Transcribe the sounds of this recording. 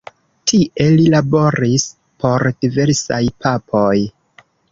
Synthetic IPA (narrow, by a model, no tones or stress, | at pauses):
tʰiʔe̞lilabo̞ɾis | pʰo̞ɾd̥ive̞ɾsa̰jpʰapʰo̞j